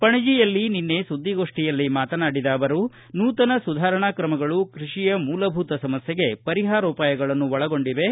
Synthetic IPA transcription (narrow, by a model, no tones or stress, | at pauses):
pɐɳid͡ʒijɐlːininːe̞sud̪ːiɡo̞ːʂʈijɐlːimaːt̪ɐnaːɽid̪aːʋɐɾu | nuːt̪ɐnɐsud̪ʱaːɾɐɳaːkɾɐmɐɡɐɭukɾiʂijɐmuːlɐbʱuːt̪ɐsɐmɐsjɐɡe̞pɐɾiɦaːɾɔːpaːjɐɡɐɭɐnːuʋɐɭɐɡo̞ɳɖiʋe̞